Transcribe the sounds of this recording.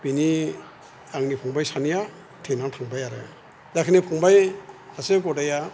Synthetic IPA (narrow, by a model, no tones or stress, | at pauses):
bini | aŋnipʰɔŋbajsanija | tʰenaŋtʰaŋbajaɾe | zakʰinipʰɔŋbajhaseɡɔdaja